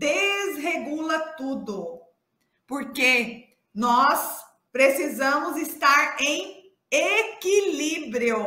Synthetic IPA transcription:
d̪ezɦeɡulɐt̪ud̪ʊ | poɾke | nɔs | pɾesizɐ̃mʊzist̪aɾẽj̃ | ekilibɾiʊ

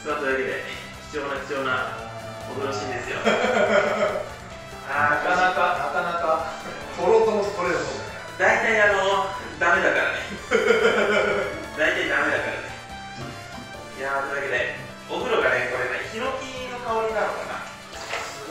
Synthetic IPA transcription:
sɨad̪od̪aked̪ḛ | çi̥t͡sɨjo̞ːnaçʲi̥t͡sɨjo̞ːnano | oɡɯ̟ɾo̞ɕĩnd̪e̞sɨjo̰ | akanakaakanaka | hoɾot̪onoskoɾees | d̪ait̪aiano̞d̪ame̞d̪akaɾa̰ne | d̪ait̪aid̪ame̞d̪akaɾa̰ne | jad̪oaked̪e̞ | oɡɯ̟ɾo̞ɡane̞ko̞ɾe̞ɡaçiɾo̞kʲino̞kaβoɾʲinano̞kana̰

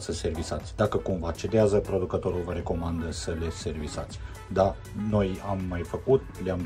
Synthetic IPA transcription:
səse̞rvisat̪sʲd̪akəkumvat͡ʃe̞d̪eazəpɾo̞d̪ukət̪o̞ɾulvəɾe̞ko̞mand̪əsəle̞se̞rvisa̰t̪sʲ | d̪a | no̞jamːajfəkut̪̚leam

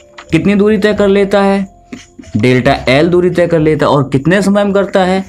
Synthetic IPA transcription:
kɪt̪nid̪uːɾit̪ɛːkɐɾleːt̪aɦɛː | ɖeːlʈaʔɛːld̪uːɾit̪ɛːkɐɾleːt̪aɔːɾkɪt̪nesɐməjmkɐɾt̪aɦɛː

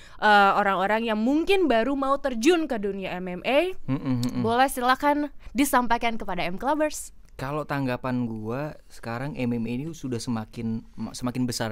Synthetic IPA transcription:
ʔəoɾaŋoɾaŋjaŋmuŋkɪnbaɾumaut̪ərd͡ʒʊnkəduniaɛmɛmʔem̩bolɛsilakandisampajkankəpadaɛmklabərs | kalot̪aŋɡapanɡuasə̥kaɾaŋɛmɛmenisudahsəmakɪnsəmakɪnbəsar

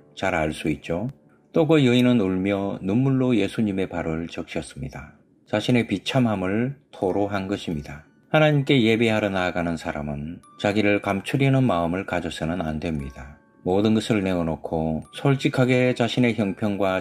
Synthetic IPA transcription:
t͡ɕaɾaɭs͈uit̚t͡ɕ͈o | t͈oɡʌjɯinɯnuɭmjʌnumːuɭːoje̞sʰuɲime̞paɾɯɭt͡ɕʌk̚ɕ͈ʌs͈ɯmɲida | t͡ɕaɕʰine̞pit͡ɕʰamɦamɯɭtʰoɾoɦanɡʌɕʰimɲida | hanaɲimk͈e̞je̞be̞ɦaɾʌnaɡanɯnsʰaɾa̰mɯn | t͡ɕaɡiɾɯɭkamt͡ɕʰuɾinɯnmaɯmɯɭkad͡ʑʌsʰɯnɯnandwe̞mɲida | modɯnɡʌsʰɯɭne̞ʌnokʰosʰʌɭt͡ɕ͈ikʰaɡe̞t͡ɕaɕʰine̞çjʌŋpʰjʌŋɡwa

